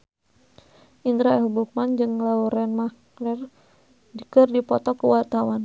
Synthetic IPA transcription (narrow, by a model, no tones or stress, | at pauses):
ʔind̪ɾaɛɦubuk̚mand͡ʒɨŋlauɾɛnmak | nɛr | dikərdipɔt̪ɔkəwat̪awan